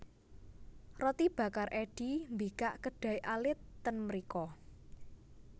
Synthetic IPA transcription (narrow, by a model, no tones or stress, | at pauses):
rɔt̪ib̥ä̤karʔɛɖ̥i̤mbikaʔkəɖ̥ä̤iʔalɪt̪ːənməɾikɔ